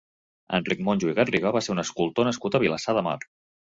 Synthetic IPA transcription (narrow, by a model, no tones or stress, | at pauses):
ə̰nrik̚monʲʒuiɣəriɣɔβaseunəskulˠt̪onəskut̪əβiləsaðəma̰r